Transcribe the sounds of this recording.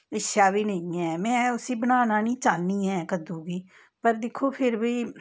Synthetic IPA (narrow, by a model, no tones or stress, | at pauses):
ɪʃaːbiːnəĩːɛːmɛ̃ːʊsiːbənaːnãːnĩːt͡ʃaːnːiːɛːkəd̪ũːɡiː | pəɾd̪ɪkʰːoːpʰɪɾbiː